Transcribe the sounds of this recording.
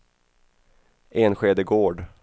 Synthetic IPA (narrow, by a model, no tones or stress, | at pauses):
ʔeːnɧeːd̪əɡoːɖ